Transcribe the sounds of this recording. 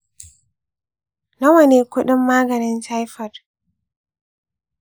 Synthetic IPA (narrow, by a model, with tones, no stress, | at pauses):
na˦wani˨kɔ˦ɗɔ˦mːaː˦ɡa˨nɛ˨nt͡ʃajfad